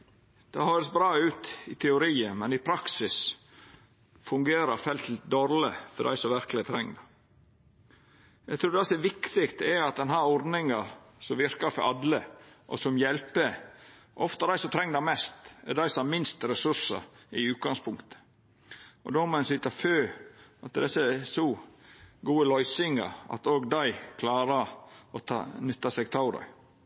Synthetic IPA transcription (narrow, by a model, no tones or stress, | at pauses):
d̪̥ɛhøːɾəsbɾɑːʉːt̪ɪt̪ʰɛʊɾiːəmɛnɪpʰɾɑksɪs | fʉŋɡeːɾəɾfɛlt̪ld̪ɔɾləfɔɖæ̰ɪsɔʋæɾkəlɪət̪ʰɾɛŋːd̪ɑ | jæɡt̪ʰɾuːd̪ɛsɔɛʋɪkt̪ɪkt̪ɛɑt̪̚d̪ɛnɦæːɾɔɾd̪nɪŋɑ | sɔmʋɪɾkɑɾfɔɾʔɑd̪ləʔɔ̰sɔmjɛlpə | ʔɔft̪ɑd̪æɪsɔmt̪ʰɾɛŋːd̪æɪmɛst̪ɛd̪æɪsɔmɑmɪnst̪ɾɛsʉɾsɑ̰ɪʉːt̪̚ɡɑŋspʰʊŋkt̪ə̥ | ɔ̰d̪omɔɛnsɪt̪ɑføːɑt̪̚d̪ɛsːəsɔ | ɡuːəlɔʏsɪŋɑ̰ɾɑ̰t̪oːɡd̪æɪkʰlɑːɾəɔt̪ʰɑ̰nʉt̪ːɑsɛɡ̚t̪ʰɑʊd̪æ̰ɪ